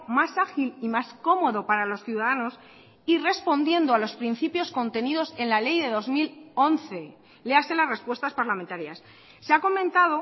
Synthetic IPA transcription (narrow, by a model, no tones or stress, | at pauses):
masaxilimasko̞mo̞ðo̞paɾalo̞sθjuðaðano̞s | ire̞spo̞nd̪je̞nd̪oalo̞spɾin̟θipjo̞sko̞nt̪e̞niðo̞se̞nlale̞jðe̞ðo̞zmilo̞nθe̞ | le̞ase̞lasre̞spwe̞st̪aspaɾlament̪aɾjasː | eako̞mẽnt̪aðo̞